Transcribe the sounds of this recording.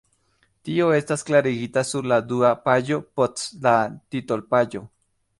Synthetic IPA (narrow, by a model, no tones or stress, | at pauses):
t̪ioest̪asklaɾeɣit̪asulad̪uapajopot͡slat̪it̪olpajo